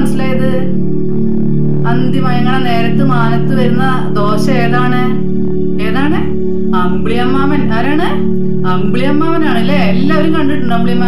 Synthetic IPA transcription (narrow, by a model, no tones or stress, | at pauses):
nɐsːilaːjɐðɨ | ɐnd̪jɐmaːjɐŋːɐɭne̞ːɾɐt̪ːɨmaːnɐt̪ːɨʋɐɾunːɐ | d̪o̞ːɕɐeːðaːɳɨ | e̞ːðaːɳɨ | ɐmbɭijɐmːaːmɐnaːɾaːɳɨ | ɐmbɭijɐmːaːʋɐnaːɳilːeːlːaːoɾumkɐɳɖiʈːuɳɖɐmbɭijɐmːa